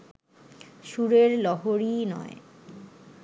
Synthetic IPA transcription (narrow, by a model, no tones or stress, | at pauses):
ʃuɾeɾlɔɦoɾinɔ̰e